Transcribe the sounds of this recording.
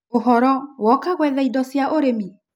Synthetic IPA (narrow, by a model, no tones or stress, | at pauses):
oɦɔɾɔwɔkaɣwɛðaidɔsjaʔoɾemi